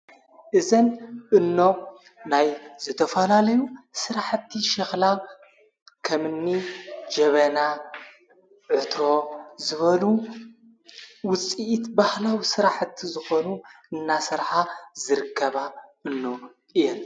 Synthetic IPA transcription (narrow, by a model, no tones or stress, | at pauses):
ʔɨzɐnʔɨnːo̞ | najzɨt̪ʰɐfɐlalɐjusɨɾaħɨt̪ʰːiʃɐxlaw | kʰɐmɨnːid͡ʒɐβɐna | ʕɨt̪ɾo̞zɨβɐlu | wʊt͡sʼiʔːt̪bahlawsɨɾaħt̪ʰːizɨxo̞nu | ɨnːasɨɾħazɨɾɨkʰːɐβaʔɨnːo | ɨjɛn